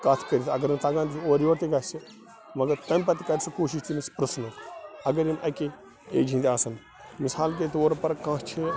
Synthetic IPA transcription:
kat̪ʰkɐɾʲisɐɡɐɾimt̪ɐɡãːnt̪ioːɾjʋoːɾt̪iɡɐsi | mɐɡɐɾt̪ɐmpɐt̪ikɐɾisɐkoːʃiʃt̪imispɾɨsnɐɐɡɐɾimʔɐke | ḛːd͡ʒʱĩnd̪iaːsɐn | misaːlk̬et̪oːɾpɐɾkãːt͡ʃʰe

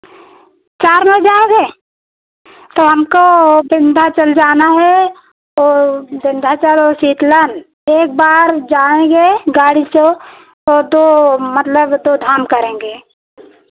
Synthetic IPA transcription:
t͡ʃaːɾmed͡ʒaːeɡeː | t̪oɦɐmkobɪ̃nd̪ʱat͡ʃəld͡ʒaːnaɦɛ | ɔːbɪ̃nd̪ʱat͡ʃəlɔsiːt̪lən | eːk̚baːɾd͡ʒaːẽɡeɡaːɽit͡ʃo | ɔːɾd̪oːmət̪ləbd̪oːd̪ʱaːmkəɾẽːŋ̆ɡeː

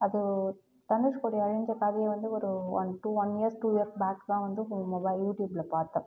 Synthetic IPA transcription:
ɐðɯ | t̪ɐnːɯʂkoɽijɐɻɪɲd͡ʒɐkaːðijɐʋɐnd̪ɯɔɾɯʋɐ̰nʈuʋɐniɐɾsʈuːijɐɾsbaːkd̪ãːʋɐnd̪ɯmɔbɐɪjuːʈjuːbɪlɐpaːɾt̪ɐ̃ː

